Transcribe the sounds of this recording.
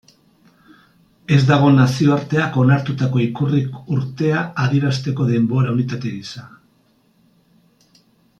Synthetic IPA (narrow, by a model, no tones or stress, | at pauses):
e̞zd̪aɣ̞o̞nasio̞aɾt̪e̞ako̞naɾt̪ut̪ako̞ikurikuɾt̪e̞aːðieɾast̪e̞ko̞ðe̞mbo̞ɾaunit̪at̪eɣisa